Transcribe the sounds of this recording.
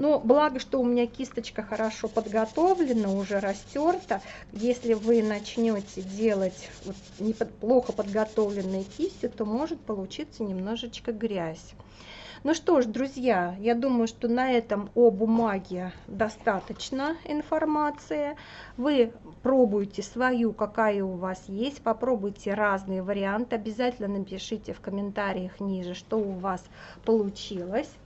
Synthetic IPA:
nublˠaɡəʂt̪o̞ʊmʲɪnʲakʲist̪ət͡ɕkəxəɾɐʂo̞pəd̪ɡɐt̪o̞vlʲɪnːəʊʐɛɾɐsʲtʲort̪ə | jesʲlʲɪvɨnɐt͡ɕnʲotʲɪdʲelˠətʲvot̪ | nʲɪpəplˠo̞xəpəd̪ɡɐt̪o̞vlʲɪnːʊjʊkʲisʲːʊt̪o̞mo̞ʐɨt̪̚pəlˠʊt͡ɕit̪sːənʲɪmno̞ʐɨt͡ɕkəɡɾʲæsʲ | nuʂt̪o̞ʂd̪ɾʊzʲjajad̪uməjʊʂt̪o̞nɐɛt̪əmobʊmaɡʲɪd̪ɐst̪at̪ət͡ɕnəɪnfɐrmat̪sɨjə | vɨ | pɾobʊjɪtʲɪsvɐjukɐkajəʊvasjesʲtʲpɐpɾo̞bʊjtʲɪraznɨjəvəɾʲɪant̪ɨɐbʲɪzatʲɪlʲnənəpʲɪʂɨtʲɪfkəmʲɪnt̪aɾʲɪjəxnʲiʐɨʂt̪o̞ʊvaspəlˠʊt͡ɕilˠəsʲ

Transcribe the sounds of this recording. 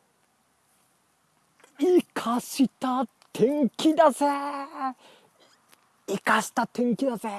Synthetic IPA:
ikʰaɕit̪a | t̪ʰẽŋkʲid̪ase | ikaɕi̥t̪at̪ʰẽŋkʲid̪aze

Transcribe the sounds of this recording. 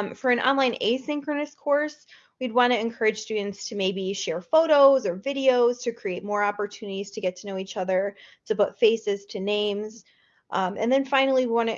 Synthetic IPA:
mfə˞ɨ̃nʔɑ̰̃nlãɪ̃nʔḛɪsɪ̃ŋkɹɨnɨskʰɔɹs | wid̚wɑ̃ñɨɨ̃nkʰɜ˞ɨd̥ʒ̥stʉdⁿn̩tstʰɨmeɪbiʃɛɹfoʊɾoʊzə˞vɪɾioʊz̥tʰɨkʰɹ̥ieɪt̚mɔɹɑpə˞tʰʉnɨɾiz̥tʰɨɡɛtʰɨnoʊit͡ʃʌðə˞tʰɨpʊtfeɪsɨz̥tʰɨnẽɪ̃mz | ʔʔɨ̰̃nðɨ̃nfãɪ̃nl̩ˠiwiwɑ̃nɨ

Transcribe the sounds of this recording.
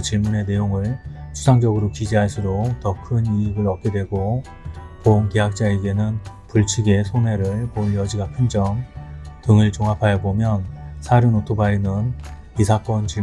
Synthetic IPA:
t͡ɕiɭmune̞ne̞joŋɯɭt͡ɕʰu̥sʰaŋd͡ʑʌɡɯɾokid͡ʑiɦaɭs͈uɾoktʌkʰɯniiɡɯɾʌk̚k͈e̞dwe̞ɡo | poŋkeɦak̚t͡ɕ͈aeɡe̞nɯnpuɭt͡ɕʰiɡe̞sʰone̞ɾɯɭpoɭjʌd͡ʑiɡakʰɯnd͡ʑʌŋtɯŋɯɭt͡ɕoŋapʰajʌbomjʌnsʰaɾɯnotʰobainɯn | isʰak͈wʌnt͡ɕi

